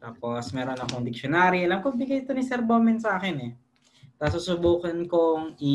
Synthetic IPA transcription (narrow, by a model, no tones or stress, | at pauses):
t̪aːposmɛːɾo̞nɐkoŋd̪ɪkʃonaːɾiɐlɐmkobɪɡajt̪onisɛɾboːmɛnsaːkɛnɛ | t̪asusʊbuːkɐnkoŋi